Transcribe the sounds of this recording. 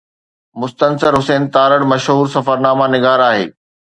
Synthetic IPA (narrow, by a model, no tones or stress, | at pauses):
mʊst̪ənsəɾɦʊsɛːnt̪aːɾəɽmɐʃɦuːɾsɐfəɾnaːmanɪɡaːɾaːɦḛː